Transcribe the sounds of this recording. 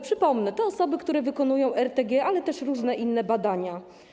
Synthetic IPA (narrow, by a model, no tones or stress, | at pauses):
pʂɘpɔmnɛt̪ɔɔsɔbɘkt̪uɾɛvɘkɔnujɔ̃w̃ʔɛɾt̪ɛɡʲjɛʔalɛt̪ɛʂɾuʐnɛʔinːɛbad̪aɲa